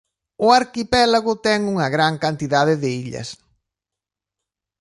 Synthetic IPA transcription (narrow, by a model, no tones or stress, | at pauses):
ʊaɾkipɛlaɣʊt̪ɛŋuŋɐɣɾaŋkant̪iðaðɪðɪiʎɐ̰s